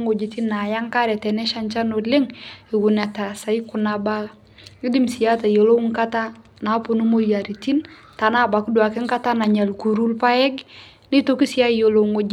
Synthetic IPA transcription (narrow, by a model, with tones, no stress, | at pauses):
ŋo˨d͡ʒe˨ti˦nːa˨ja˦ŋka˦ɾɛ˨tɛ˨nɛ˦ʃa˦nt͡ʃa˦no˨lɪ˦ŋɪ˨ɡu˨na˨ta˨sa˨i˦kʊ˨na˨ba˦ | i˦di˦msi˨ja˦ta˨jo˨lo˦ŋ˦ka˦ta˦ | na˨˦pu˨nu˦mo˦ja˨ɾi˨ti˦n | ta˨na˦ba˨ku˦du˨a˨kɪ˦ŋ˦ka˦ta˦na˨ɲa˨lku˨ɾu˦lpa˦ɛ˦ɡ | ni˦to˦ki˦si˨˦a˦jo˨lo˨ŋo˨d͡ʒ